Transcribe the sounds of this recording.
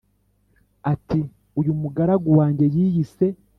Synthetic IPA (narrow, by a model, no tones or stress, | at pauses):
ati | ujumuɡaɾaɡuwaːɲɟe̞jiːjise̞